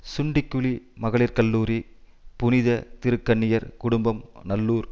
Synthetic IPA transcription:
sʊɳɖɪkːʊɭimɐɣɐɭɪɾkɐlːuːɾi | pʊnɪðɐt̪ɪɾɯkːɐɳːɪjɐɾkʊɽʊmbɐmnɐlːuːɾ

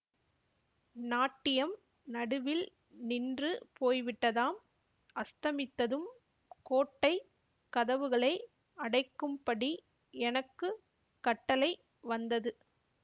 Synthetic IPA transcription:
naːʈːɪjɐm | nɐɽɯʋɪl | nɪndrɯpoːjʋɪʈːɐðaːm | ɐst̪ɐmɪt̪ːɐðɯm | koːʈːɐɪ | kːɐðɐʋɯɣɐɭɐɪ | ɐɽɐɪkːɯmpɐɽi | ɛnɐkːɯ | kɐʈːɐlɐɪ | ʋɐnd̪ɐðɯ

